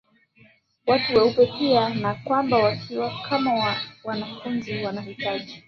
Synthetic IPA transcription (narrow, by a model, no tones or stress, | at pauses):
watuwaupɛpianakwambawakʰiwakʰamawawanafunziwanahitaʄi